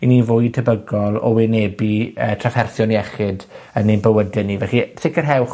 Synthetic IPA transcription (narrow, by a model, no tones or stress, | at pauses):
inivʊːj̚tʰəbəɡɔlˠɔ̰wɪnebiəːtʰrafɛrθjɔniɛχɪd | ənːɪnbəwədɪnivɛɬiθɪkərɦɛwχ